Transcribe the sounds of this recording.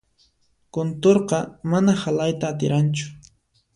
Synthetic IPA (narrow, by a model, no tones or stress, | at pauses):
kont̪oɾqɑmanahalajt̪aːt̪ɪ̰ɾant͡ʃʊ̥